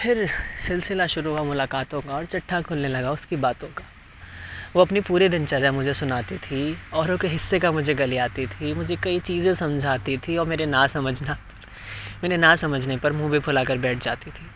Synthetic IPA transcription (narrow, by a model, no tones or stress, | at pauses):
pʰɪɾsɪlsɪlaʃʊɾuamʊlaːkaːt̪õkaɔːɾt͡ʃɐʈʰːakʰʊlnelɐɡaʊskibaːt̪õkḁ | ʋoɐpnipuːɾid̪ɪnt͡ʃɐɾamʊd͡ʒʱesʊnaːt̪it̪ʰiɔːɾõkeɦɪsːekamʊd͡ʒʱeɡɐliaːt̪it̪ʰimʊd͡ʒʱekɐit͡ʃiːzẽsɐ̃md͡ʒʱaːt̪it̪ʰiɔːɾmeːɾenãːsɐməd͡ʒʱnapɐ̥ɾ | meːɾenãːsɐməd͡ʒʱnepɐɾmũːbʱipʰʊlaːkɐɾbɛːʈʰd͡ʒa̰ːt̪it̪ʰiː